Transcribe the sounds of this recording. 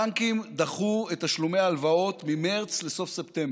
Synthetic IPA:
aŋkimd̪aχuetaʃlumeaːlvao̞t̪mimaʁt͡sle̞so̞fsept̪emb

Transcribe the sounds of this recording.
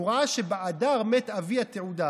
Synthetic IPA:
uʁaʃebeʔadaʁmet̪aviat̪euda

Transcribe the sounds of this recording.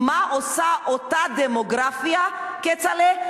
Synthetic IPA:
maʔosaʔot̪ad̪emoɡɾafiaket͡sale

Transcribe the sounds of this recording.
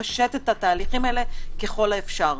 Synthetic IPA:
aʃet̪et̪hat̪aːliχimele̞ke̞χo̞laefʃaʁ

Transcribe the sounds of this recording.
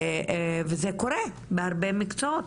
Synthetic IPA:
vezekoɾe | beaʁbemikt͡soot

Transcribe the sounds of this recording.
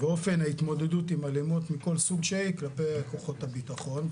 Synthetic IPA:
beo̞fe̞nait̪mo̞d̪e̞dut̪imalemot̪miko̞lsuɡʃeiklapejako̞χo̞t̪abitaχo̞n

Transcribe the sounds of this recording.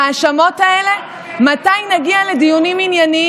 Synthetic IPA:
aːʃamo̞taele̞ | matajnaɡiale̞d̪ijuniminjani

